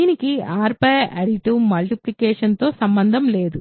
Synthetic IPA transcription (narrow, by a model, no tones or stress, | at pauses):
inikiaːɾpɐɐɽiʈumɐlʈiplikeːʂɐnt̪o̞ːsɐmbɐnd̪ʱɐmleːd̪u